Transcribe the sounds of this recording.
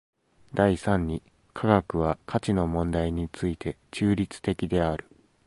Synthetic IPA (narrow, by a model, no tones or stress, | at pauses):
d̪aisãɲ̟ːi | kʰaɡakɯ̟β̞akʰat͡ɕino̞mõ̞nd̪aiɲ̟it͡sɨit̪ʰe̞ | t͡ɕɨːɾʲit͡sɨ̥t̪e̞kʲid̪e̞aɾɯ̟